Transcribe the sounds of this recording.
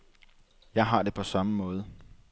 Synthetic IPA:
jɑ̈ɪɦɑ̈de̝pʰɒ̽sɑ̈məmɔ̽ːð̞ˠ

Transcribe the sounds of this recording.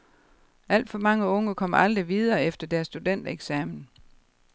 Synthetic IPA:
ʔæl̰d̥fɒ̽mɑ̈ŋəɔ̽ŋəkʰɒ̽m̰ɑ̈ld̥ʁiʋið̞ˠɐːefd̥ɐd̥æɐsːd̥ud̥en̰d̥eɡ̥sɛmn̩

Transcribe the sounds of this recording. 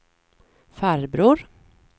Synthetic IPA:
fæɾbɾuːɾ

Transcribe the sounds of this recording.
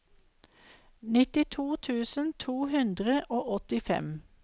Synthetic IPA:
nɪt̪ɪt̪ʰuːt̪ʰʉːsənt̪ʰuːhʉnd̪ʁəʔoːʔɔt̪ɪfɛ̰m

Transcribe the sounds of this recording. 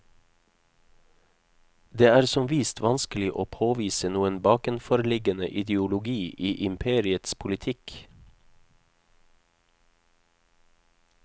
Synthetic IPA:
d̪eːæːɾsɔmʋiːst̪ʰʋɑnskəl̩ɪʔoːpʰoːʋiːsənuːənbɑːkənfɔɾlɪɡənə̰ʔɪd̪jʊlʊɡiːʔiːʔɪmpʰeːɾɪət̪spʰʊlɪt̪ʰɪk

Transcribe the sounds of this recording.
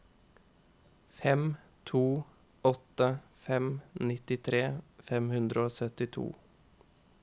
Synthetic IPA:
fɛm | t̪ʰuː | ɔt̪əfɛmnɪt̪ɪt̪ʰɾeːfɛmhʉnd̪ɾəoːsœt̪ɪt̪ʰṵː

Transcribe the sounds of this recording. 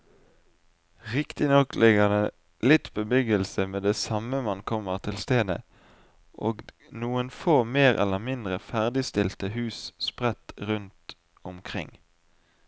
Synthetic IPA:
ʁɪkt̪ɪnɔklʔɪɡəʁd̪e | lɪt̪bəbʏɡəlsəmeːd̪eːsɑməmɑnkʰɔməʁt̪ʰɪlst̪eːd̪ə̰ | ʔoːɡ | nuːənfoːmeːʁʔɛ̰ləʁmɪnd̪ʁəfæʁd̪ɪst̪ɪlt̪əɦʉːsspʁɛt̪ʁʉnt̪ | ʊmkʰʁɪ̰ŋ

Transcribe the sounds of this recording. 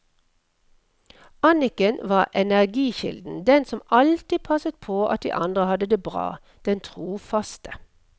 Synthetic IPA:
ɑnɪkənʋɑːʁʔɛnæʁɡiːʃɪ̰ld̪n̩d̪ɛnsɔmɑlt̪ɪpʰɑsət̪̚pʰoːʔɑ̰t̪̚d̪ḭːʔɑ̰nd̪ʁəhɑd̪əd̪eːbʁɑ̰ː | d̪̥ɛnt̪ʰʁuːfɑst̪ʰə̥

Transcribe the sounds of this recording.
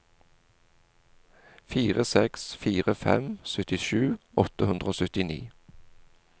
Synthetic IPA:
fiːʁəsɛksfiːʁəfɛ̰msœt̪ɪʃʉːʔɔt̪əhʉnd̪ʁəoːsœt̪ɪnḭː

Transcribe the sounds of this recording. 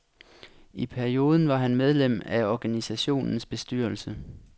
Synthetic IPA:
ipʰæɐio̝ːð̞ˠn̩ʋɑ̈ɦænmeð̞ˠlem̰æɒɡ̥ænisæɕo̝̰ːnn̩sb̥e̝sd̥yɐ̰lsə

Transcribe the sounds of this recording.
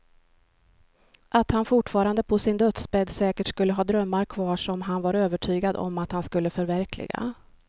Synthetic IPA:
ʔat̪hanfʊʈfɑːɾand̪əpʰɔsɪnd̪œt̪spɛd̪sɛːkəʈskɵlːəɦɑːd̪ɾœmːaɾkʰvɑːʂɔmɦanvaɾøːvəʈʰyːɡad̪ɔ̰mat̪hanskɵlːəfœɾvæɾkʰlɪ̰ɡa̰

